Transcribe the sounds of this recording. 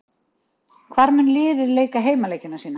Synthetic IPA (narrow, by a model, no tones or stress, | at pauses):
kʰvaɾmʏnlɪːðɪðleːjkaɦeːjmaleːjcːʏnasiːna